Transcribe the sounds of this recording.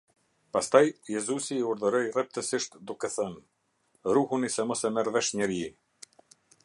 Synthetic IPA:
past̪ajjɛzusiːuɾðəɾɔjrɛp̚t̪əsiʃt̪d̪ukɛθɛn | ɾuhunisɛmɔsɛmɛɾvɛʃɲɛɾi

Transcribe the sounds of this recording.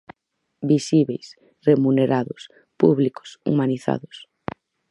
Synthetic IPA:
bisiβejs | remuneɾaðʊs | puβlikʊ̥sṵmaniθa̰ðʊs

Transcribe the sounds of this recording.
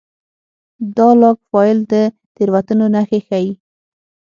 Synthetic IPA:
d̪ɑlɑkfɑɪld̪ə | t̪eɾwat̪ənonaxexaji

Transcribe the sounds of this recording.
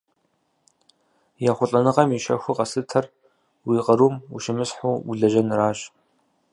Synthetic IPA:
jaːχʷʊɬʼɐnɨqɐmiʃɐ̰xʷʊqɐsɨtʰɐr | wiːqəɾuːmṵʃɪmɨsħuːṵɮɐʒɐnraːʑ

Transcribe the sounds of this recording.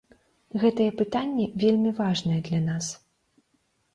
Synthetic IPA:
ɣɛt̪ɐjɛpɨt̪anʲːɛvʲelʲmʲivaʐnɐjɛd̪lʲanas

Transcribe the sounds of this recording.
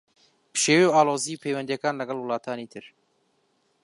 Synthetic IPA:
bɨ̥ʃeːwewaːloːziːpʰejwɛnd̪jɐkaːnlɐɡɐlˠwɨlˠɑːt̪ʰaːnit̪ʰɨɾ

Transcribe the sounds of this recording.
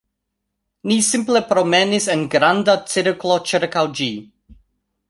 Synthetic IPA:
nisimple̞pɾomenisenɡɾandat͡siɾklo̞t͡ʃiɾkawd͡ʒi

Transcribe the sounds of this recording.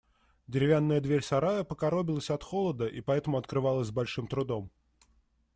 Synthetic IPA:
dʲɪɾʲɪvʲanːəjəd̪vʲeɾʲsɐɾajəpəkɐɾo̞bʲɪlˠəsʲɐt̪xolˠəd̪əʔipɐɛt̪əmʊɐt̪kɾɨvɑlˠəzʲzbɐlʲʂɨmt̪ɾʊd̪o̞m

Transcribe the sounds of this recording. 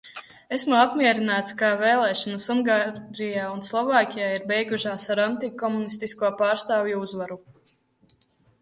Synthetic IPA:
esmuapmʲiɛɾinaːt̪skaveːlˠɛːʃɔnusuŋɡaɾijaːunslˠɔvaːkʲijaːiɾbɛjɡuʃaːsaɾant̪ikɔmunist̪iskuɔpaːɾst̪aːvjuuzvaɾu

